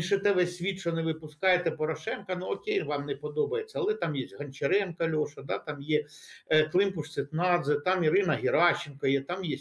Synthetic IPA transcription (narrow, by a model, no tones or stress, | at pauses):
iʃɪt̪ɛʋɛsʲsʲʋʲit̪ʃɔneʋɪpʊskɑjet̪ɛpɔɾɔʃɛnkɐnuɔkʲejʋɑmnɛpɔd̪ɔbɐjet͡sʲːɐɐlˠɛt̪ɑmjɛsʲɦɐnʲt͡ʃeɾɛnkɐlʲɔʃɐd̪ɑt̪ɑmjɛk̪lˠɪmpʊʂsʲɪt̪nɑd̪zɪt̪ɑmiɾɪnɐɦʲɪɾɑt͡ʃːɪnkɐjɛt̪ɑmjɛ